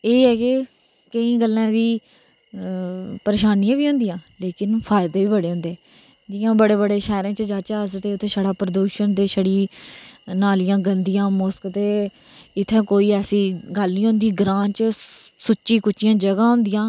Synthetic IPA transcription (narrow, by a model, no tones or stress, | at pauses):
eːɦɛːkeː | kəĩːɡəlːãːd̪iː | pəɾeːʃaːnijãːbiːɦʊ̃nd̪ijãːleːkɪnpʰaːɪd̪eːʋiːbəɽeːɦʊ̃nd̪eː | d͡ʒɪjãːbəɽeːbəɽeːʃɛːɾẽːt͡ʃəd͡ʒaːt͡ʃaːəst̪eːʊt̪ʰːẽːsəɽaːpɾəd̪uːʃənt̪eːʃəɽiː | naːlɪjãːɡənd̪ɪjãːmoskt̪eː | ɪt̪ʰːẽːkoːiːɛːsiːɡəlnĩːɦʊ̃nd̪iːɡɾaːnt͡ʃəsʊt͡ʃʃiːkʊt͡ʃːɪjãːd͡ʒəɡãːɦʊ̃nd̪ɪjãː